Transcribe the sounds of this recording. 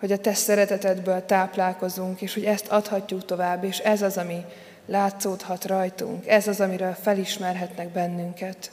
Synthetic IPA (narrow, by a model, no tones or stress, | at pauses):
ho̞ɟɒt̪ɛsɛɾɛt̪ɛt̪ɛd̪bøːlt̪aːplaːlko̞zuŋkeːʃho̞ɟɛst̪ʰɒt̪hɒcːukt̪o̞vaːbːeːʃɛzɒzɒmi | laːt̪soːt̪hɒt̪rɒjt̪ṵŋkɛzɒzɒmiɾøːlfɛliʃmɛrɦɛt̪nɛɡ̚bɛnːyŋkɛt̪